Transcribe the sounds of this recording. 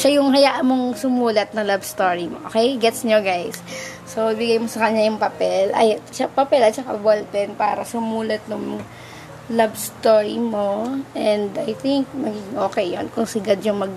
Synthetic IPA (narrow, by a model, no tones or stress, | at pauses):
ʃajʊŋɦɐjaʔɐmoŋsʊmuːlɐt̪̚nɐŋlabst̪oːɹimoʔokɛjɡɛt̪sɲoɡajsː | oʔɪbɪɡajmosɐkɐɲajʊŋpɐpɛlʔɐ̰jt͡ʃapɐpɛlɐt̪̚t͡ʃɐka̰bolpɛnpa̰ːɾɐsʊmuːlɐt̪̚nʊŋ | labst̪o̞ɹimo̞ʔɛnd̪ajθɪŋk̚nɐɡiɡɪŋʔo̞ːkɛjjonkʊŋsɪɡɐd̪̚ɲʊŋmɐɡ̚